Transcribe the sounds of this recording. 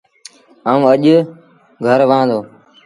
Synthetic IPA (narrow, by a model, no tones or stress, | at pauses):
aːũːəʄ | ɡʱəɾʋãːd̪oː